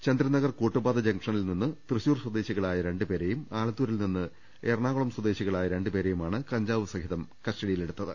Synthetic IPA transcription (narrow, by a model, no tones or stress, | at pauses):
t͡ɕɐnd̪ɾɐnɐɣɐrkoːʈːubaːd̪ɐd͡ʑɐŋkʂɐnilninːɨt̪rɨɕuːrswɐd̪e̞ːɕiɣɐɭaːjɐɾe̞ɳɖɨpe̞ːɾejumaːlɐt̪ːuːɾilninːɨ | eːrɳaːɣɐɭɐmswɐd̪e̞ːɕiɣɐɭaːjɐɾe̞ɳɖɨpe̞ːɾejumaːɳɨkɐɲd͡ʑaːʋɨsɐŋɦiðɐmkɐsʈɐɽijileɽut̪ːɐðɨ̰